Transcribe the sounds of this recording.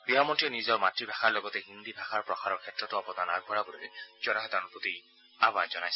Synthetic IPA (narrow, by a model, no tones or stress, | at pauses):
b̥iɦamɔntiɔnizɔɹmatɹibʱaxaɹlɔɡɔtɛɦind̪ibʱaxaɹpɹɔxʰaɹɔɹkʰɛtɹɔtʊɔpɔd̪anaɡ̚ʱbɔɹabɔlɛ̰jzɔnaɦɛdanɔpoti | abazɔnajs